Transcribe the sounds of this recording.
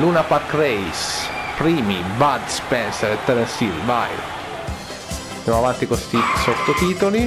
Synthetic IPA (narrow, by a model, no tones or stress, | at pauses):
luːnapaɾkɾɛjspɾiːmibad̪spɛnsɛɾet̪ːɛɾɛnsilva̰j | nd̪jamoavant̪ikost̪isot̪ːot̪iːt̪oli